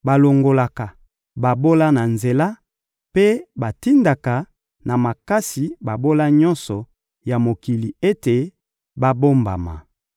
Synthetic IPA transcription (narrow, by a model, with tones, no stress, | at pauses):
ba˨lo˨ŋɡo˨la˨ka˨ | ba˨bo˦la˦na˨nze˨la˦ | pe˦ba˨ti˦nda˨ka˨ | na˨ma˨ka˦si˨ba˨bo˦la˦ɲɔ˦nsɔ˨ | ja˨mo˨ki˨li˨e˦te˨ | ba˦bo˦mba̰˨ma̰˨